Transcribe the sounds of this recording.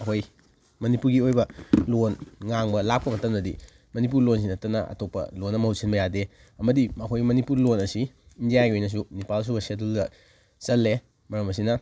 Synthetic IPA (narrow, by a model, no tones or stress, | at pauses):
ɐkoj | mɐnipuɾɡiojbɐlonŋaŋbɐlak̚pɐmɐtɐmnɐdḭ | mɐnip̬uɾlons̬inɐtːɐnɐ̰ʔɐ̰topːɐ̰lonːɐmɐhusinbɐjade | ɐmɐdiɐkʰojmɐnipuɾlonɐsi | indijajɡiojnɐs̬unipals̬ubɐseteldɐ | sɐlːe | mɐɾɐmɐs̬inɐ